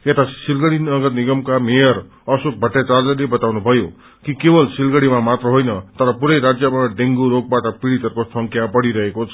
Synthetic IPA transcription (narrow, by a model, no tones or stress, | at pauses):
et̪asilɡʌɽinʌɡʌt̪niɡʌmkamejʌɾ | ʌsuk̚bʱʌʈːet͡sard͡zʌlebʌt̪awnubʱʌjo | kikebʌlsilɡʌɽimamat̪rʌɦojnʌt̪ʌɾʌpuɾʌjɾad͡zjʌmaɖeŋɡuɾoɡ̚baʈʌpiɽit̪ʌrkosʌŋkʰjapʌɽiɾʌɦekot͡sʰ